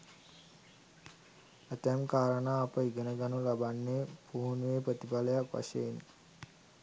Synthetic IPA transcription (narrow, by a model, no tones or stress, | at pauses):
ət̪ɛmkaːɾənaːpəiɡənəɡanulabanːepuːnʋeːpɾət̪ipaləjakʋa̰ʃein